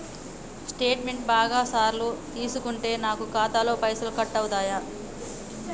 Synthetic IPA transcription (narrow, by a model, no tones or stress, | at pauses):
sʈe̞ːʈmeɳʈ̚baːɡaːsaːɾlut̪iːsukuɳʈe̞ːnaːkukaːt̪aːlo̞ːpɐjsɐlkɐʈːɐwut̪aːja